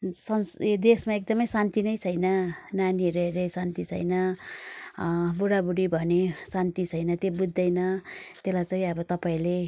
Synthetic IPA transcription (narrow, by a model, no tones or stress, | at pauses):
sʌsd̪esmaek̚d̪ʌmʌjsant̪inʌjt͡sʰʌjnʌnaniʌɾeɾesant̪it͡sʰʌ̰jnʌ | buɽabuɽibʱʌnesant̪it͡sʰʌjnʌt̪jebud̪ːʌjnʌt̪elajt͡saĩʌbʌt̪ʌpaĩle